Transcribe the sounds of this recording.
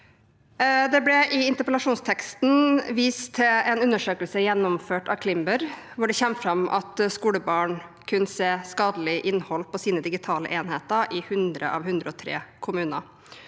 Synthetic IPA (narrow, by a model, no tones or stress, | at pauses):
d̪ɛblɛʔɪɪnt̪əpəlɑʂuːnst̪ʰɛkst̪nʋiːst̪ʰːɪlɛnʉnːəʂøːkəlsəjɛnːɔmføːʈɑkʰlɪmbəɾ | ʋʊɖɛçɛmːfɾɑmʔɑ̰t̪skuːləbɑːɳkʰʉnseːskɑːd̪əlɪʔɪnːhɔlːpʰɔsiːnəd̪ɪɡɪt̪ʰɑːlə̰ʔeːnheːt̪əɾʔɪhʉnd̪ɾə̰ʔɑ̰ʋhʉnd̪ɾəɔt̪ʰɾḛːkʰʊmʉːnə